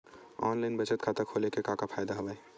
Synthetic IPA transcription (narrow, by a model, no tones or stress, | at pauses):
ɔ̰ːnlaɪnbət͡ʃət̪kʰat̪əɾkʰolekekakapʰaːjd̪aɦobae